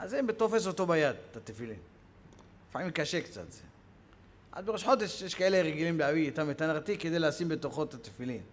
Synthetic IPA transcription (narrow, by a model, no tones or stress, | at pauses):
ʔazembet̪ofes̬ot̪obajad̪t̪at̪ːefilḭn | faʕimkaʃekt͡sa̰t̪z̥e | ʔa̰zbeʁiʃħot̪eʃjeʃkaeleʁeɡilimbeaviit̪amet̪anaʁt̪ikːed̪ejleasimbet̪uxot̪ːat̪ːefilin